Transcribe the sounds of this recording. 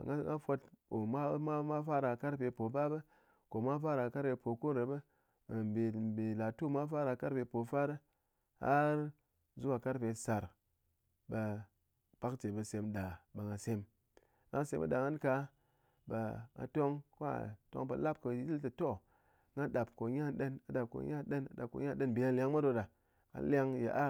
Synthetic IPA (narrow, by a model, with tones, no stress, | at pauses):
ŋa˦ŋa˦fo˧to˨ma˦ma˦ma˦fa˦ɾa˨ka˦ɾpe˧po˨ba˦bə˦ | ko˨mʷa˦fa˦ɾa˨ka˦ɾpe˧po˨ko˦ɾe˨bə˦˨ | be˨be˨la˨tu˦˨mʷa˦fa˦ɾa˧ka˦ɾpe˧po˨fa˦ɾə˦ | ha̰˦ɾ | zu˦ka˨ka˦ɾpe˧sa˨ɾ | ba˧ | b̥a˦kt͡ʃe˨bə˧se˨m˦ɗa˨ba˨ŋa˨se˧m | ɡa˨ŋ˦se˧˦mbə̰˦ɗa˨ŋa˦nka˧˦ | ba̰˨ŋa̰˨to˦ŋko˦a̰˨to̰˦ŋpə̰˨la˦p̚kə˨ji˦ltɨ˨to˦˨ | ŋa˦ɗa˨bko˨ɲa˦˨ɗə˦na˨ɗa˨p̚ko̰˨ɲa˦ɗə˦na̰˨da˨ko̰˨˦ɲa˦ɗə˦nbe˨˦a˦lʲa˦ŋ˦a˦do˧da˨ | ŋa̰˨la˧ŋjḛ˨ʔa˦